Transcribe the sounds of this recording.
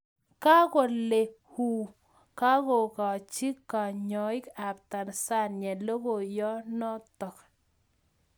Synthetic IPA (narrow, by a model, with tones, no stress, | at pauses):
ka˦ko˨lːe˨ | hu˨ | ka˦ko˨ka˨t͡ʃi˦kːa˨ɲɔ˨ɪ˦ka˨p̚ta˨nsa˦˨nɲɛ˨lo˦ko˨jɔ˦nɔ˦tɔ˨k